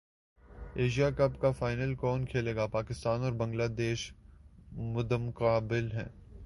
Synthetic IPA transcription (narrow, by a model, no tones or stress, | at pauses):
eːʃijakɐpkafaːɪnəlkɔːnkʰeːleːɡapaːkɪst̪aːnɔːɾbɐ̃ŋɡlaːd̪eːʃ | mʊd̪əmqaːbɪlɦɛ̰̃ː